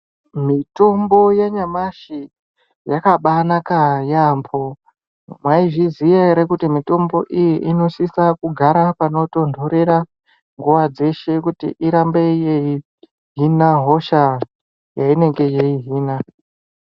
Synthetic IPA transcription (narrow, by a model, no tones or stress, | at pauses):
mito̞mbo̞jeɲamaʃi | jakaɓanakajambo | mwaiʐizijaɾekutimito̞mbo̞ʔijiʔino̞ʃisakuɡʱaɾapano̞to̞ndʱoɾe̞ɾa | ŋɡuʋad͡ze̞ʃe̞kutḭʔiɾambe̞jei | ɦinaɦo̞ʃa | jaine̞ŋɡe̞jeiɦiːna